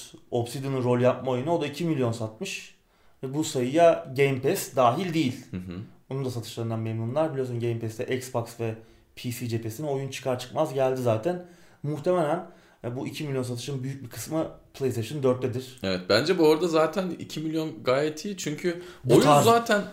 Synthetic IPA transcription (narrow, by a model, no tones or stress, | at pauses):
o̞psid̪ɯnɯɾo̞lʲˠjap̚maojunuod̪aicʰimilʲjo̞nsat̪̚mɯʃ | vɛbusajɯjaɟejmpɛsd̪aːɦilʲd̪ejilʲɦo̞nund̪as̬at̪ʰɯʃlˠaɾɯnd̪anmemnunlˠaɾbilʲiosnnɟejmpɛst̪ɛʔɛksbaksvɛ | pʰisid͡ʒepʰesinio̞junt͡ʃʰɯ̥kʰaɾt͡ʃʰɯ̥kmazɟælʲd̪izaːt̪ʰæn | muxt̪ʰe̞me̞lʲæn | buʔicʰimilʲjo̞ns̬at̪ʰɯ̥ʃɯnbyjyc̚biɾkʰɯ̥smɯpʰlʲˠejseʃɯnd̪øɾt̪lːʲed̪iɾ̥evɛt̪̚bænd͡ʒɛbuo̞ɾd̪azaːt̪ʰænḭcʰimilʲjo̞nɡaːjɛt̪ʰːiːt͡ʃʰyɲcʰyojuazaːt̪ʰæn